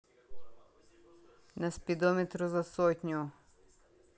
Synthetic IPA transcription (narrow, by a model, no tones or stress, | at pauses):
nɐspʲid̪ɔmʲet̪ɾʊzɐsɔtʲnʲʊ